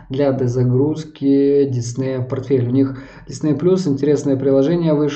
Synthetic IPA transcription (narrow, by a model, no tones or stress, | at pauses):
d̪lʲad̪əzɐɡɾuskʲɪdʲɪsnɛjəpɐrt̪fʲelʲʊnʲix | dʲɪsnejplʲusɪnʲtʲɪɾʲe̞snəjəpɾʲɪlˠɐʐɛnʲɪjəvɨʂ